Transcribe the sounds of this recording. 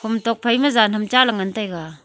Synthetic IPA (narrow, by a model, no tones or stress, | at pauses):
hʰumtɔk̚pʰajmɐzanhɐmt͡ʃalaŋantajɡa